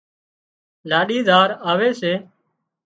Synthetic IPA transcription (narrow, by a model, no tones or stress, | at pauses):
laːɗiːd̪ʱaːɾaːʋeːseː